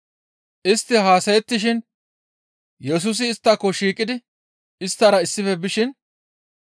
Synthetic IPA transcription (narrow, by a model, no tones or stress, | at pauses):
ʔɪst̪ːɪɦaːsɐjɛt̪ːɪʃ̬ɪn | jɛs̬ʊs̬ɪːst̪ːɐkːɔʃiːkʼɪd̪ɪ | ɪst̪ːɐɾɐɪsːɪfɛbɪʃɪn